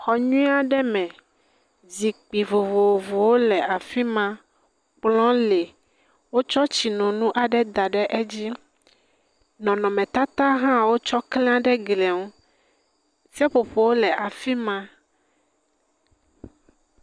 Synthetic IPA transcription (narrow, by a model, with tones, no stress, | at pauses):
xɔ˨ɲũ˦i˦a˦ɖɛ˦mɛ̃˨ | zi˨k͡pi˨vo˨vo˨o˨vo˨wo˦lɛ˨a˨fi˦mã˦ | k͡plɔ̃˦le˨ | wo˦t͡ʃɔ˦t͡ɕi˨nɔ̃˨nũ˦ʔa˨ɖɛ˦d̪a˨ɖɛ˦ʔɛ˦d͡ʑi˦ | nɔ̃˨nɔ̃˨mɛ̃˨t̪a˦t̪a˦ɦã˦wo˦t͡ʃɔ˦klɛ̃˦a˦ɖɛ˦ɡlɛ˨ŋu˦ | si˦a˦ɸo˨ɸo˨wo˦lɛ˨ʔa˨fi˦mã˦